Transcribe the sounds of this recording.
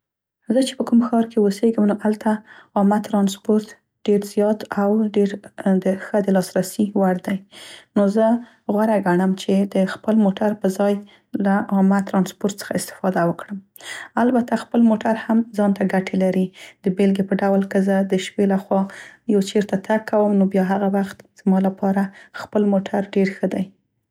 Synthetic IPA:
zət͡ʃe̥pəkumxɑɾkʰewoseɡəmnoʔalt̪aɑmat̪ɾɑnspoɾt̪ | ɖeɾzjɑt̪awɖeɾd̪əxəd̪əlɑsɾasiwaɾd̪ajnozə | ɣwaɾaɡaɳəmt͡ʃed̪əxpəlmoʈaɾpəzɑj | laɑmat̪ɾɑnspoɾt̪sə̥xaɪst̪ɪ̥fɑd̪awəkɽəm | albat̪axpəlmoʈaɾhamzɑnt̪aɡaʈʰelaɾid̪əbelɡepəɖawlkəzəd̪əʃpelaxwɑjawt͡ʃeɾt̪at̪ʰak̚kːawəmnobjɑɦaɣawaxt̪z̥mɑlapʰɑɾaxpəlmoʈʰaɾɖeɾxəd̪aj

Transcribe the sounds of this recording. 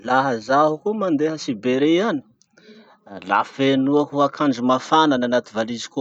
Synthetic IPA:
laɦəzaɦukumand̪eɦəsibeɾeani̥ | la̰fenuakuakʰaɳd͡ʒumafanananat̪ivalizi̥ko

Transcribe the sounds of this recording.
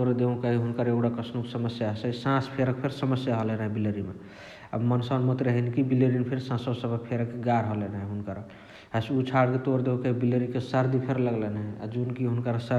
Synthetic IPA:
toɾd̪eũkaɦiɦunkəɾeɡɽakəsʰnukesəməsjaɦsəsãspʰeɾək̚pʰeɾsəməsjaɦolenɦɛbileɾimḛ | a̰mənsanmət̪ɾəɦinikibileɾinpʰeɾsãsɔsəbəpʰeɾəkːeɡaɾɦolenɦɛɦunkəɾ | ɦəsut͡ʃʰaɽket̪oɾd̪ekeɦibileɾikesəɾd̪ipʰeɾləɡlenɦɛa̰d͡ʒunkiɦunkəɾsə

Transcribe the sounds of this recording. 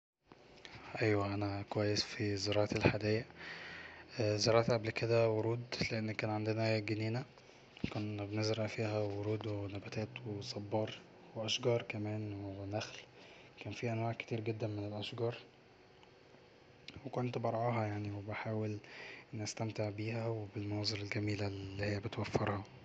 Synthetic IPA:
ʔæjwæʔænækowæjːesfizɑɾˤɑːʕɑt̪elħad̪ejæ | zɑɾˤɑːʕt̪ʔæblked̪æwoɾuːd̪leʔenːkæːnʕand̪enæɡeniːnæ | konbenezɾɑʔfiːhæwoɾuːd̪wenæbæt̪æːt̪wesˤɑbːɑːɾˤ | weʔæʃɡɑːɾˤkæmæːnwenæxl | kæːnfiːʔænwaːʕke̥t̪iːɾɡed̪ːænmenelʔæʃɡɑːɾˤ | wekont̪bɑɾˤʕɑːɦɑjaʕniwebeħaːwelnæst̪æmt̪eʕbiːhæwebelmɑnɑːzˤelelɡæmiːlælːiːhejːæbet̪wæfːeɾˤhɑ

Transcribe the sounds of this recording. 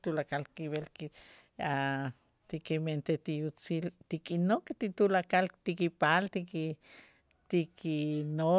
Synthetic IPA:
t̪ulakalkiβelkia | t̪ikiment̪et̪ijut͡silt̪ikinoket̪it̪ulakalt̪ikipalt̪iki | t̪ikʰino

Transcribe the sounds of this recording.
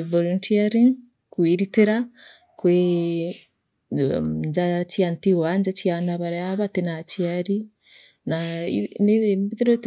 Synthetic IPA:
voluntʰiaɾiŋ | kwiɾiteɾa | kwe | ɲd͡ʒaciantiwaɲd͡ʒacianaβaɾaaβatenaciaɾi | naineembiðeɾot

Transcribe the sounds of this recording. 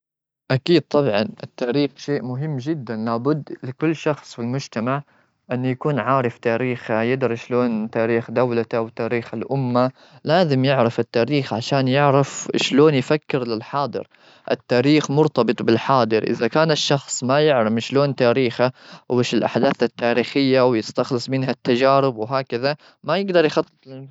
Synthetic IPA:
ʔakiːd̪̚t̪ˤɑbʕɑnʔɪt̪ːaːɾiːxʃeːʔmʊɦɪmːd͡ʒɪd̪ːanlaːbʊd̪ːlɪkʊlːʃɑxsˤfilmʊd͡ʒt̪amaʕ | ʔɪnːjakuːnʕaːɾˤɑft̪aːɾiːxajɪd̪ɑɾˤiʃloːnt̪aːɾiːxd̪awlat̪awt̪aːɾiːxalʔʊmːa | laːzɪmjɪʕɾɑfɪt̪ːaːɾiːxʕaʃaːnjɪʕɾɪfʃloːnjfakːɪɾlɪlħɑːd̪ˤɨ̰ɾ | ʔɪ̰t̪ːaːɾiːxmʊɾt̪ɑbɨt̪ˤbɪlħɑːd̪ˤɨɾʔɪ̰ðakaːnɪʃːɑxsˤmajɪʕɾɑmʃloːnt̪aːɾiːxaeːʃɪlʔaħd̪aːθat̪ːaːɾiːxɪjːawjɪst̪axlɨsˤmɪnɦat̪ːad͡ʒaːɾɪbwɦaːkaða | majɪɡd̪ɑɾˤjxɑt̪ˤːɨ̥t̪ˤɪ

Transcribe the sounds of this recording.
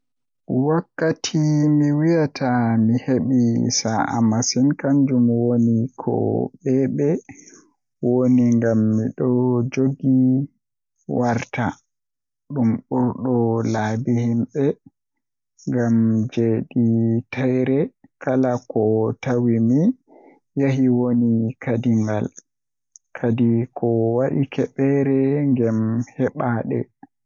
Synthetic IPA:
wakːatʰimiwijatʰamiheɓisaʔa̰masinkaɲd͡ʒumwonikʰɔ̰ɓɛɓɛ | woniŋɡamːiɗɔd͡ʒoɡi | waɾta | ɗumɓuɾɗɔlabihimɓɛ | ŋɡamd͡ʒeɗitʰajɾɛkalakɔtawimi | jahiwonikʰadiŋɡa̰l | kʰadikʰɔwaɗikʰɛɓɛɾɛŋɡɛmhɛɓaːɗɛ̰

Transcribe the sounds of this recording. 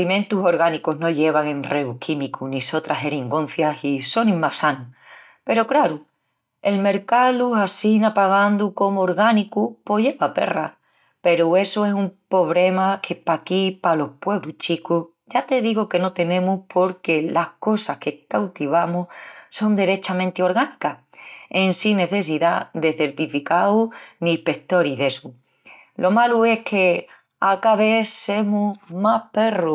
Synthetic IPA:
limẽnt̪uso̞ɾɣanikuɦno̞ʝe̞βaŋẽ̞nreukʰimikuniso̞t̪ɾaɦe̞ɾiŋɡõ̞n̟θjasiso̞nĩŋmasanu | pe̞ɾokɾaɾu | e̞lme̞ɾkalusasinapaɣ̞and̪uko̞mooɾɣanikupo̞ʝe̞βape̞̰ra̰ | pe̞ɾue̞soesumpo̞β̞ɾe̞makʰe̞pakipalo̞hpwe̞βlut͡ʃiku | ɟ͡ʝat̪e̞ðiɣoke̞no̞t̪e̞nẽ̞muhpʰo̞ɾke̞lahko̞sahke̞kawt̪iβamuhso̞nd̪eɾe̞t͡ʃamẽnt̪eo̞ɾɣanika | e̞nsine̞θe̞s̬iðaðe̞θe̞ɾt̪ifikawniːpe̞kt̪o̞ɾiðe̞su | lʔo̞malue̞kʰe̞ | akaβe̞se̞mumape̞ru

